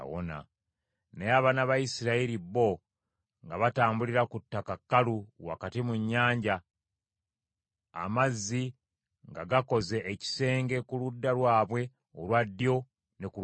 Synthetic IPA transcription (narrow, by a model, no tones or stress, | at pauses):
wo̰na̰ | neaβanaβajisiɾaiɾiβo̞ | ŋɡaβataːmbuliɾakutːakakːaluwa̰katimuɲːaːɲɟa | a̰mazːi | ŋɡaɡako̞ze̞ʔːci̥se̞ːŋɡe̞kuludːalwaːβwe̞ | olwadːjo̞ | ne̞ku